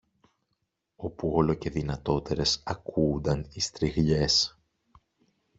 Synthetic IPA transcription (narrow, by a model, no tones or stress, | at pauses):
o̞puo̞lo̞ce̞ðinɐt̪o̞t̪e̞ɾe̞sɐkuːnd̪ɐnist̪ɾiɣʎe̞s